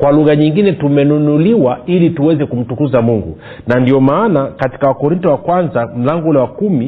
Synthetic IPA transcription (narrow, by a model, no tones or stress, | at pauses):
kwaluɣaɲiŋɡinɛtumɛnunuliwailituwɛzɛkum̩tukuzamuŋɡṵ | nandiɔmaːnakati̥kawakɔɾintɔwakwanzam̩laŋɡɔulɛwakumi